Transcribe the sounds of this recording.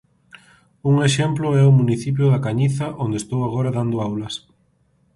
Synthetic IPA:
uŋeʃemplʊɛʊmuniθip̬jʊðɐkaɲiθɐʔond̪est̪owaɣoɾɐðand̪ʊawlɐs

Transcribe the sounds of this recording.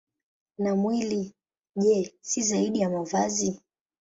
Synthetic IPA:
namwili | ʄɛsizaiɗijamavazi

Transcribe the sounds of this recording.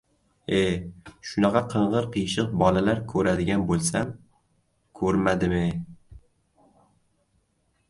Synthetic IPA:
eʃʊnɑqʰɑqʰɨɴʁɨɾqʰɨjʃɪqbɒlalaɾkʰɵɾad̪ɪɡʲanbolˠsam | kʰɵɾmad̪ɪmɪ

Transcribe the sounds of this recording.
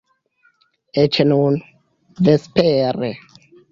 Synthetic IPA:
et͡ʃenun | vespeɾe

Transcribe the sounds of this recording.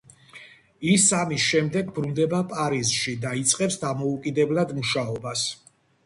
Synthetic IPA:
isamisʃɛmd̪ɛɡ̚bɾund̪ɛbapʼaɾizʃid̪ait̪sʼqʼɛpsd̪amɔukʼid̪ɛblˠad̪muʃaɔbas

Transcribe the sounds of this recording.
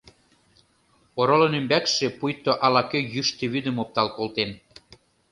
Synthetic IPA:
oɾolonymbækʃĕpujt̪oʔɑlɑkøjyʃt̪ĕβyd̪ə̆mop̚t̪ɑlkolt̪en

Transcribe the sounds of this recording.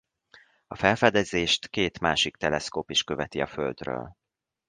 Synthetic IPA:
ɒfɛlfɛd̪ɛzeːʃt̪keːt̪maːʃik̚t̪ɛlɛskoːpiʃkøvɛt̪iɒføld̪rø̰ːl

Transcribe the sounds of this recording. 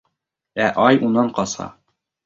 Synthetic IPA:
æʔɒjunɑɴqɒshɑ̰

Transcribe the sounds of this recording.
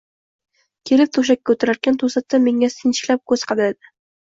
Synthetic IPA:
kʲʰe̞lɪp̚t̪ʰoʃ̬ak̚ʲːaot̪ʰʊɾaɾkʲant̪ʰosat̪ːame̞ŋasɪnt͡ʃɪ̥kʲlap̚kʰɵzqʰɑd̪aad̪ɪ

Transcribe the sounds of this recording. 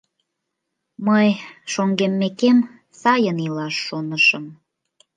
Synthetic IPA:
məjʃoŋɡemːekem | sɑjənilɑʃːonəʃəm

